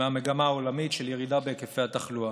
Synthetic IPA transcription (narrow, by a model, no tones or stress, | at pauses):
eameɡamaːolamitʃeljeʁid̪abekefejat̪aχlua